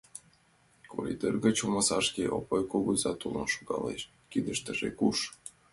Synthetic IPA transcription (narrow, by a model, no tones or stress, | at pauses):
koɾʲḭd̪erɡə̆t͡ɕuməsɑʃkʲeʔo̰pojkoɣuzɑt̪ulˠnoʃoɡɑ̰lḛʃ | kid̪ə̆ʃt̪ə̆ʒḛkuʃ